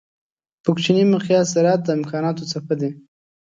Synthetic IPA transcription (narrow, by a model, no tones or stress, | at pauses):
pəkt͡ʃinimaqjɑsɪɾɑt̪̚d̪əɪmkɑnɑt̪ot͡sapəd̪e